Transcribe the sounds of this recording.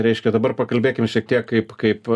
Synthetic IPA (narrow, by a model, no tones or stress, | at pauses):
ɾʲɛɪʃʲkʲɛd̪ɐbɐrpɐkɐlʲbʲeːkʲɪmʃʲiɛk̚t̪ʲiɛkkɐɪpkɐɪp